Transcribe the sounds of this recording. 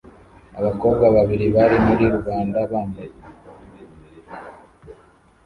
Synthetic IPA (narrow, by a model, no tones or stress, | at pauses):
aβako̞ːβɡaβaβiɾiβaɾimuɾiɾuβaːndaβaːmbaje